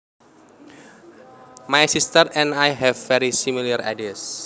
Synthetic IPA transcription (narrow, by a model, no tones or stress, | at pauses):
majsist̪ərɛ̃najɦɛvːɛɾisimilara̰dis